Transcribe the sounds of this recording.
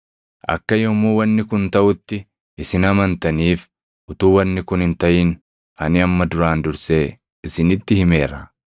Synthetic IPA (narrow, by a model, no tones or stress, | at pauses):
ʔɐ̰kːɐjɔmuːwɐnːɪkʊnt̪ɐʔʊt̪ːɪ | ʔɪsɪnɐmɐnt̪ɐniːf | ʔʊt̪uːwɐnːɪkʊnɪnt̪ɐʔiːn | ʔɐnɪɐmːɐd̪ʊɾaːnd̪ʊɾse̞ː | ɪsɪnɪt̪ːɪhɪme̞ːɾɐ̰